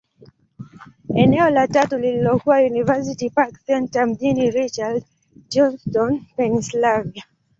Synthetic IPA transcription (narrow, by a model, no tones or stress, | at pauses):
ɛnɛɔlatatulililɔkuwajunivas̬itipaksɛntam̩ʄiniɾit͡ʃald | d͡ʒɔnstɔnfɛnislavia